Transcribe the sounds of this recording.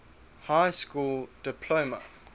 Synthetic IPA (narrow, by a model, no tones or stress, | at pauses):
haɪskuːld̥ɪpʰloːmə̰